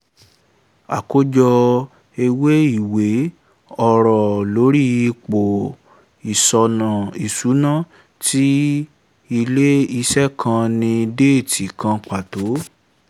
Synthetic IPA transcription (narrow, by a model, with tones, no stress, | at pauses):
a̰˨ko˦d͡ʒɔ˧ | e˧we˦i˦˨we˨˦ | ɔ˧ɾɔ˨lo˨˦ɾi˦i˧k͡po˨ | i˨sɔ˧nã˨i˨su˨˦nã˦˨ | ti˦ | i˧le˦i˧sɛ˦kʰã˧nĩ˧de˦˨tʰi˨kã˧k͡pa˨to˨˦